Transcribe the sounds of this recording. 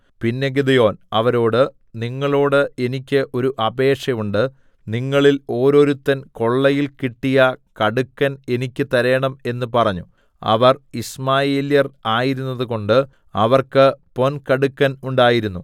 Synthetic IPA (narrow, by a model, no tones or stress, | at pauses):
pinːe̞ɡid̪ɐjo̞ːnɐʋɐɾo̞ːɽɨ | niŋːɐɭo̞ːɽɨe̞nikʲːɨʔo̞ɾuʔɐbe̞ːkʂɐjuɳɖɨ | niŋːɐɭilo̞ːɾo̞ːɾut̪ːɐnko̞ɭːɐjilkiʈːijɐkɐɽukːɐne̞nikʲːɨt̪ɐɾɐjɐɳɐme̞nːɨpɐrɐɲːu | ɐ̰ʋɐrismaːjeːljɐraːjiɾunːɐðuko̞ɳɖɨ | ɐʋɐrkɨpo̞nkɐɽukːɐnuɳɖaːjiɾunːu